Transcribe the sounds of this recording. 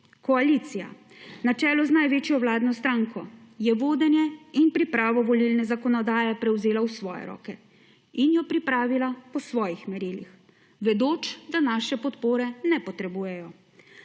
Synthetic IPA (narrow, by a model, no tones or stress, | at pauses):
kɔaliːt̪sija̰ | nat͡ʃɛːlɔznajʋeːt͡ʃjɔwlaːd̪nɔst̪ɾaːŋkɔjɛʋoːd̪ɛnjɛinpɾipɾaːʋɔʋɔlilnɛzakɔnɔd̪aːjɛpɾɛwzeːlawsʋɔːjɛ̰ɾɔ̰ːkɛ | injɔpɾipɾaːʋilapɔsʋɔːjixmɛɾiːlḭx | ʋɛd̪oːt͡ʃd̪anaːʃɛpɔt̪poːɾɛnɛpɔt̪ɾɛbuːjɛjɔ